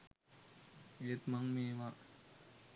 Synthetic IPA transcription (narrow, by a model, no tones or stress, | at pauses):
eːt̪maŋmeːʋa